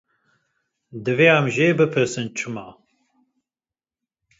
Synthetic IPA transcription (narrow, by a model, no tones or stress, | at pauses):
d̪ɨveːamʒeːbɨpʰɨsɨnt͡ʃʰɨma